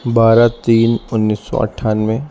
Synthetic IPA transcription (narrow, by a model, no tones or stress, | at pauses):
baːɾat̪iːnʊnːiːsːɔ̰ɐ̰ʈʰaːnmẽ